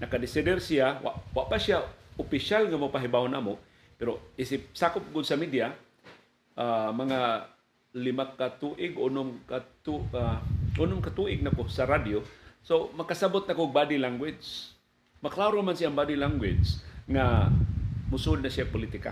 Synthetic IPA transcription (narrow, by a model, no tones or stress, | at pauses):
nɐkad̪ɪsɪd̪ɛrsiawa̰ʔwaʔpasiaʊpɪʃalŋamapaɦibaʊnʔa̰mo | pɛɾoisɪp̚saːkʊp̚ɡʊd̪samid̪ja | ʔamɐŋa | lɪmakat̪uʔɪɡʊnʊmkat̪uaʔʊnʊmkat̪uʔɪɡ̚nakosaɾad̪josomɐkasabʊt̪̚nakoɡ̚bad̪ilaŋɡwɪd͡ʒs | maklaɾomansiaŋbadilaŋɡwɪd͡ʒsŋa | mʊsud̪̚nasiapʊlit̪ɪka̰